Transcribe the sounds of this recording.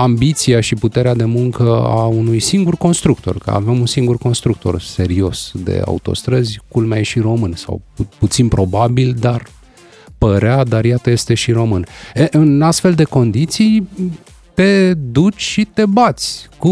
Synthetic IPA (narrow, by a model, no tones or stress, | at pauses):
ambit̪siaʃiput̪e̞ɾead̪e̞muŋkəa̰unujsiŋɡurko̞nst̪ɾuk̚t̪o̞̰rkə̰a̰vemunsiŋɡurko̞nst̪ɾuk̚t̪o̞̰rse̞ɾio̞sd̪e̞̰a̰ṵt̪o̞̰st̪ɾəzʲkulmajʃiɾo̞mɨnsa̰wput̪sinpɾo̞babild̪ar | pəɾead̪arjat̪əje̞st̪e̞ʃiɾo̞mɨneʔɨnast̪fe̞ld̪e̞ko̞nd̪it̪sij | t̪e̞d̪ut͡ʃʲʃit̪e̞bat̪sʲku